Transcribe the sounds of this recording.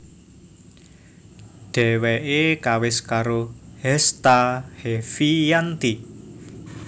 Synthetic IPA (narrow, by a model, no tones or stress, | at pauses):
ɖ̥ɛ̤wɛʔekawɪskaɾohɛst̪ahefijant̪i